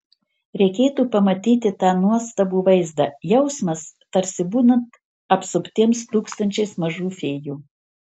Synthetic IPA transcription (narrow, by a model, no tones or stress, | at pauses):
ɾʲɛɪkʲeːt̪uːpɐmɐt̪ʲiːt̪ʲɪt̪ɑːnuɔst̪ɐbuːʋɐɪzd̪ɑjɛʊsmɐst̪ɐɾʲsʲɪbuːnɐnt̪ | ɐpsʊpʲt̪ʲiɛmst̪uːkst̪ɐnʲt͡ʃʲɛɪsmɐʒuːfʲeːjuː